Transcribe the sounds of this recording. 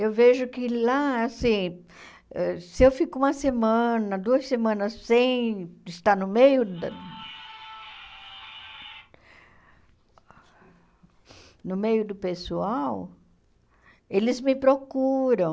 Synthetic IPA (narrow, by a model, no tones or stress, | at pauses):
ewveʒʊkɪlaasĩ | ɛsɪewfikʊũmɐsemɐ̃nɐd̪uɐsemɐ̃nɐssẽj̃ɪst̪aɾnʊmejʊd̪ɐ | nʊmejʊd̪ʊpesuaw | elɪzmɪpɾokuɾɐ̃w̃